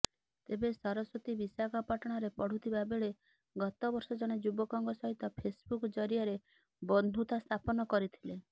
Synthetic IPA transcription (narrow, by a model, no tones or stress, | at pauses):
t̪ebesɔɾɔsot̪ibisakʰɔpaʈɔɽ̃ɔɾepɔɽ̤ut̪ʰibabeɭe | ɡɔt̪ɔbɔɾsɔd͡ʒɔɽ̃ed͡ʒubɔkɔŋɡɔsɔɦit̪ɔpʰesbukɔd͡ʒɔɾijaɾe | bɔnd̪ʱut̪ast̪ʰapɔnɔkɔɾit̪ʰile